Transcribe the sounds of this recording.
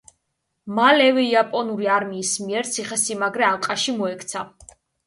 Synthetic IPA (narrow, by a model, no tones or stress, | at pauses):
malɛvɛiapʼɔnuɾiaɾmiːsmiɛɾt̪sʰiχɛsimaɡɾɛalˠqʼaʃimɔɛkʰt̪sʰa